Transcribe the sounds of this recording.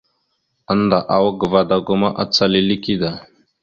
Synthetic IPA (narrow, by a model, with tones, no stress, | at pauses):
ə˦nd̪a˨ʔa˨wɡə˨va˦d̪a˨ɡo˦ma˦ʔa̰˦t͡sːa˦li˦li˦ki˦d̪a˨